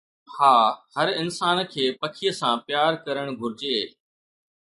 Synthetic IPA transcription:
haːhɐɾɪnsaːnkʰeːpɐkʰijəsãpjaːɾkɐɾəɽ̃ɡʱʊɾɪd͡ʑeː

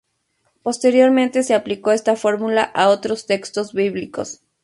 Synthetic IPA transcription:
po̞st̪e̞ɾjo̞ɾmẽnt̪e̞seapliko̞e̞st̪afo̞ɾmulaʔao̞t̪ɾo̞st̪e̞kst̪o̞zβiβliko̞̰s

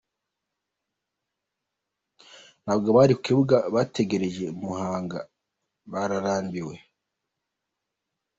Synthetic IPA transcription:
n̥aːbɡoβaɾikukiβuɡaβate̞ɡe̞ɾe̞ʒe̞muhaːŋɡa̰ | βaɾaɾaːmbiwe̞

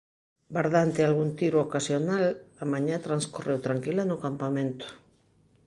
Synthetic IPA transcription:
baɾðant̪ɪalɣunt̪iɾookasjonalamaɲat̪ɾanskorewt̪ɾaŋkilanokampamẽnt̪ʊ̥

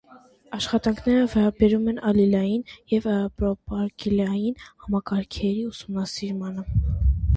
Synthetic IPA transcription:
ɑʃχɑt̪ɑŋkʰnɛɾəvɛɾɑbɛɾumɛnɑlilɑjinjɛvpɾɔpɑɾkilɑjinhɑmɑkɑɾkʰɛɾiusumnɑsiɾmɑnə

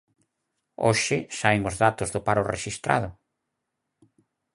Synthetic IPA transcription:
o̰ʃɪsaeŋozðat̪ʊzðʊpaɾʊreʃist̪ɾa̰ð̞ʊ

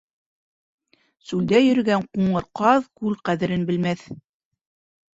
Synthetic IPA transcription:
sʉld̪æjɵ̆ɾɘ̆ɡæɴquɴɤɾqɑðkʉlqæðɘ̆ɾɘnbɘ̆lmæθ

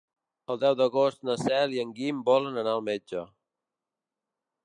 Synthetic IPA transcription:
əlˠd̪ɛwd̪əɣost̪nəsɛliəŋɡimbɔlənənaəlˠmed͡ʒə

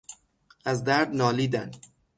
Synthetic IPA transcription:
ʔæzd̪æɾd̪nɒːliːd̪æn

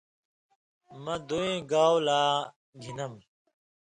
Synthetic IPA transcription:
mɐ̃d̪uẽːɡaːwlaː | ɡʱinɐm

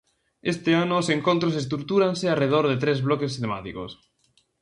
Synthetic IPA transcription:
est̪eanʊːseŋkõnt̪ɾosest̪ɾuk̚t̪uɾanseareð̞oɾðet̪ɾezβlokest̪ema̰t̪iko̰s

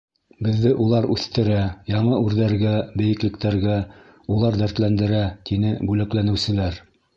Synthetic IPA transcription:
bɘ̆ðːɘʔulˠɑɾʉθt̪ɘ̆ɾæjɑɴɤʉɾðæɾɡæbɘ̆jɘ̆klɘ̆kt̪æɾɡæ | ulˠɑɾd̪æɾt̪lænd̪ɘ̆ɾæt̪inɘbʉlæklænɘ̆wsɘ̆læɾ

